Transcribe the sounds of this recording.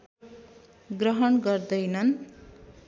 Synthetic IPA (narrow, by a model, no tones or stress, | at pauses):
ɡrʌɦʌnɡʌrd̪ʌjnʌn